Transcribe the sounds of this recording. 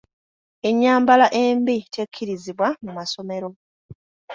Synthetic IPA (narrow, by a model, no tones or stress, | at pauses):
e̞ɲːaːmbalaʔe̞ːmbitekʰːiɾiziβwamumaso̞me̞ɾo̞